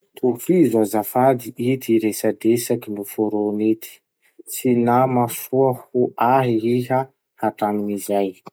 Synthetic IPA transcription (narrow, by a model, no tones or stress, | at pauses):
t̪ʰufizazafad̪iʔit̪ʰiɾesad̪esakinufoɾonit̪ʰi̥ | t͡sinamafuahuʔaɦiiɦa | hat̪anumizaj